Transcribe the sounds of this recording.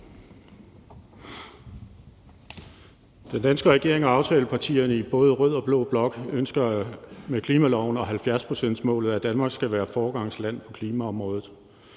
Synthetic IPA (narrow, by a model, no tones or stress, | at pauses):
d̥end̥ænsɡ̥əʁɛɡ̥e̝ɐ̰eŋɒ̽ɑ̈ʊt͡sʰɛːləpʰɑ̈t͡sʰḭːɐnəib̥ɔ̽ːð̞ˠəʁœð̞̰ˠɒ̽b̥lo̝b̥lɒ̽ɡ̥ønsɡ̥ɐmekʰliːmælɒʊn̩ɒ̽ɦælfjæɐspʰʁo̝̥sen̰d̥smɔ̰̽ːlð̞̩ˠæd̥ænmɑ̈ːɡ̥sɡ̥æʋæːɐfɒːɡ̥ɑ̈ŋ̰slæn̰pʰɒ̥̽kʰliːmæɒ̽mʁɔ̽ːðˠð̩ˠ